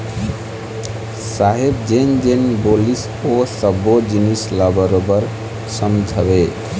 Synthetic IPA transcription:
saɦebd͡ʒend͡ʒenbolis | osəbod͡ʒinislabəɾobəɾ | səmd͡ʒʱʰəβe

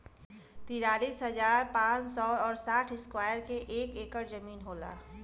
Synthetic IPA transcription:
t̪iɾaːliːsɦəzaːɾpãːt͡ʃsɔɔːɾsaːʈʰɪskwaːjəɾkeʔeːkeːkəɾd͡ʒəmiːnɦoːla̰ː

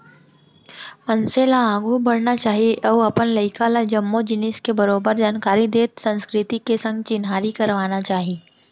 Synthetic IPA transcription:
mɐnselaãːɡʱubɐɽnat͡ʃaːɦieʔɔːʋɐpənlɐɪkʰalad͡ʒɐmːod͡ʒɪnɪskebɐɾoːbəɾd͡ʒaːnkaːɾid̪eːt̪sɐ̃nskɾɪt̪ikesɐ̃ŋɡt͡ʃɪnɦaːɾikɐɾʋaːnat͡ʃaːɦieː

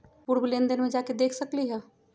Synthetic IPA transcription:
puɾbulẽːnd̪ənmẽd͡ʒaːked̪eːkʰsɐkliɦɛː

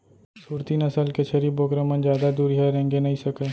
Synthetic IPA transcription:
suːɾt̪inəsəlket͡ʃʰəɾiːboːkɾemə̃nzjaːd̪ad̪uːɾiɦaɾɛ̃ŋɡenɐɦĩsəkeː

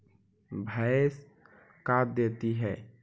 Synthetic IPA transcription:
bʱas | kaːt̚d̪eːt̪iɦɛː

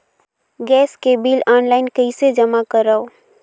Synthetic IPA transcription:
ɡɛːskebiːlaːnlaːɪnkəɪsed͡ʒəmakəɾao

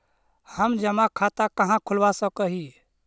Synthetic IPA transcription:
həmd͡ʒəmakʰat̪akəɦãkʰulʋasəkəɦi

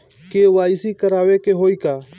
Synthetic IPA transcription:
keʋaːɪsiːkəɾaːʋekeɦoːiːkaː

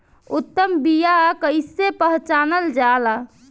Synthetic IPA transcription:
ut̪ːəmbijakəɪsepəɦt͡ʃanəld͡ʒala

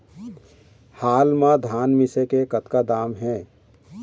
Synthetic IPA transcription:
haːlmãd̪ʱaːnmɪsekekɐt̪kad̪aːmɦɛ̃ː

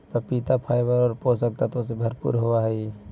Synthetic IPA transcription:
pəpit̪apʰaːjbəɾɔːɾpos̬ək̚t̪at̪oːsebʱəɾpṵːɾɦoʋaɦəi

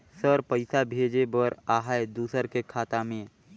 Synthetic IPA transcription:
səɾpəɪsabʱeːd͡ʒebəɾaːɦaed̪uːsəɾkekʰaːt̪amẽ

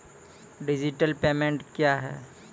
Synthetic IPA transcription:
ɖɪd͡ʒɪʈəlpeːmẽɳʈkjaɦɛ̰ː

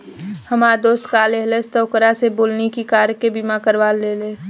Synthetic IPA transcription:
həmaːd̪oːst̪kaːleɦləst̪əːkəɾaseboːlnekikaːɾkebimakəɾʋaːlːeːleː

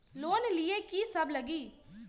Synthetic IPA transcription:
loːnɪlijekisɐblɐɡi

